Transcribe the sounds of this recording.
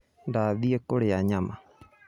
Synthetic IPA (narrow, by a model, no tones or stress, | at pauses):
ndaðiɛkoɽeaɲama